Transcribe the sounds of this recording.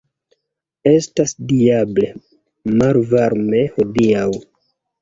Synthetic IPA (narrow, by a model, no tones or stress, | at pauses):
e̞stasdiable̞ | malvaɾme̞ho̞diaw